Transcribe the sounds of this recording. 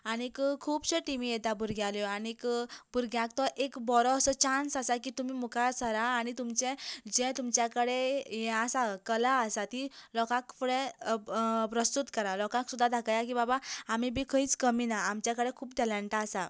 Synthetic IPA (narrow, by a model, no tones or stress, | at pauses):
anikkʰuːbɕəʈimijet̪abuɾɡjaljɔanikbuɾɡjãk̚t̪ɔʔekbɔɾɔːsət͡ɕansasakit̪umiːmukʰasəɾaːñit̪umt͡ɕɛ̃d͡ʑɛ̃t̪umt͡ɕjakəɽejɛ̃asakəlaəsat̪ilɔkãkfuɽe | pɾəst̪ut̪kəɾalɔkãksud̪ʱːad̪ʱakajak̬iːbabaam̤ibʱikʰəiːt͡skəminaamt͡ɕjakəɽekʰuːp̚ʈ̪ɛlãɳʈaːsa